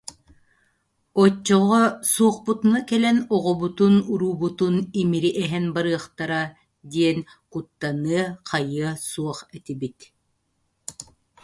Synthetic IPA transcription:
ɔt͡ʃːɔʁɔsuɔχput̪unakɛlɛnɔʁɔbut̪unuɾuːbut̪unimiɾiʔɛɦɛnbaɾɯɐχt̪aɾa | d̪iɛn | kut̪ːanɯɐqʰajɯɐsuɔχɛt̪ibit̪

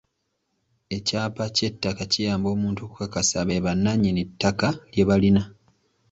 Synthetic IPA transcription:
e̞caːpace̞tːakacijaːmbo̞ːmuːntuku̥kakasaβeβanːaɲinetːakalje̞βalina

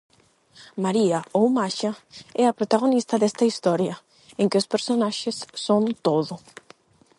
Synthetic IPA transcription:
maɾiɐowmaʃɐɛɐpɾot̪aɣonist̪ɐðɛst̪ɐist̪ɔɾjɐ | eŋkɪʊspeɾsonaʃɪsːont̪oðʊ

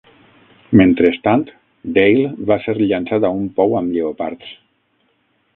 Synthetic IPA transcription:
ment̪ɾest̪ant̪ | d̪ejlˠβaseɾʎansaðaumpɔwamʎeopa̰ɾt̪s

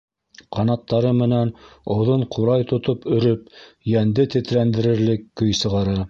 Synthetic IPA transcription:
qɑnɑt̪ːɑɾɤmɘ̆nænŏwðoɴqʰuɾɑjt̪ŏt̪opɵ̆ɾɵp̚ | jænd̪ɘt̪ɘ̆t̪ɾænd̪ɘ̆ɾɘ̆ɾlɘkːɵjsɤ̆ʁɑɾɤ

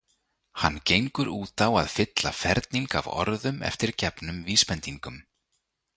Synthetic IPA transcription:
hanːcejŋkʏɾuːt̪awa̰ðfɪt̪lafɛɾt̪̚niŋka̰vɔ̰ɾðʏmɛ̰ft̪ɪɾ̥cɛpnʏmviːspɛnt̪iŋkʏm

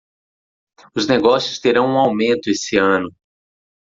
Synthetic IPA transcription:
ʊzneɡɔsjʊst̪eɾɐ̃w̃ũawmẽnt̪ʊesɪɐ̃nʊ

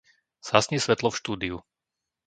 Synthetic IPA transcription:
z̥asɲisʋɛt̪lɔfʃt̪uːd̪iu

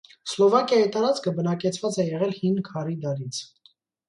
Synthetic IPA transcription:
slɔvɑkjɑit̪ɑɾɑt͡skʰəbənɑkɛt͡sʰvɑt͡sɛjɛʁɛlhinkʰɑɾid̪ɑɾit͡sʰ

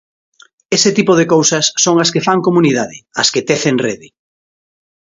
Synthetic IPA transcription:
esɪt̪ipoðekowsɐsːoŋɐskefaŋkomuniðaðɪɐsket̪eθeŋreðɪ

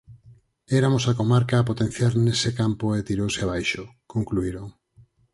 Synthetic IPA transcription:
ɛɾamosakomaɾkaːp̬ot̪ẽn̟θjaɾnesekampoet̪iɾowseaβ̞ajʃokoŋkluiɾoŋ

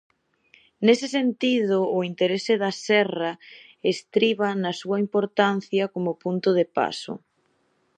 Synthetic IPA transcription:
nesɪsent̪iðʊːint̪eɾesɪðɐsɛrɐ | est̪ɾiβɐnɐsuɐimpoɾt̪an̟θjɐkomʊpunt̪ʊðepa̰sʊ̰

